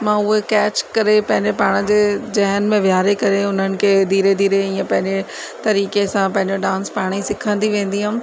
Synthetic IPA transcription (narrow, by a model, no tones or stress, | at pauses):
mãːʊɦekɛːt͡ɕkɐɾepɐ̃ɦɪ̃ɲd͡ʑepaːɽ̃əd͡ʑeːd͡ʑɐɦnmẽʋjaːɾekɐɾeʊn̤ənɪ̆kʰeːd̪ʱiːɾed̪ʱiːɾeĩːə̃pɐ̃ɦɪ̃ɲd͡ʑe | t̪ɐɾiːkesãpɐ̃ɦɪ̃ɲd͡ʑoɖãːnspaːɽ̃isɪkʰə̃nd̪iʋẽːnd̪iɦʊ̃